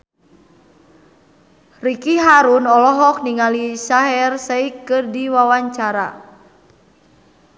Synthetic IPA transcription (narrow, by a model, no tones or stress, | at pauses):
rikiɦaɾunɔlɔɦɔk̚niŋalisaɦɛrsɛikɨrdiwawaɲt͡ʃaɾa̰